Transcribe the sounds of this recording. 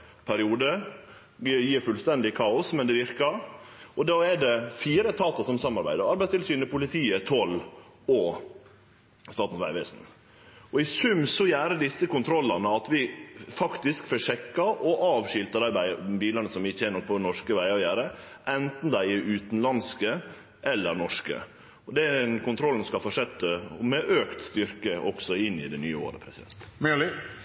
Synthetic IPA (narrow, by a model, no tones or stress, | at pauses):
pʰæɾɪuːd̪ə | jiːɾfʉlst̪ɛnd̪ɪkʰɑːʊsmɛnd̪ɛʋɪɾkɑɾɔd̪ɑːɛɖɛfiːɾət̪ʰɑːt̪əsɔmsɑmɑɾbæ̰ɪd̪əɾɑɾbæɪst̪ɪlsyːnəpʊlɪt̪ʰiːət̪ʰɔlː | ɔ | st̪ɑːt̪n̩sʋæ̰ɪʋḛːsn̩ | ɔɪsʉmsɔjæːɾəd̪ɪsːəkʊnt̪ʰɾɔlːɑnəɑt̪ʋɪfɑkt̪ɪskfɔʂɛkːɑʔɔʔɑːʋʃɪlt̪əd̪æɪbæbiːlɑnəsɔmʋɪçːəɛɾnɔk̚pʰɔnɔʂkəʋæɪɑjæːɾə | ʔɛnt̪n̩d̪æɪɪʉːt̪n̩lɑnskə | ʔɛlːəɾnɔʂkə̰ | ɔd̪ɛnkʊnt̪ɾɔlːn̩skɑfɔʂɛt̪ːəɔmɛʔøːkt̪st̪ʏɾkəʔɔksɔɪnːɪ̰d̪ɛnyːəo̰ːɾə̰pʰɾɛsɪd̪ɛ̰nt̪mɛlɪ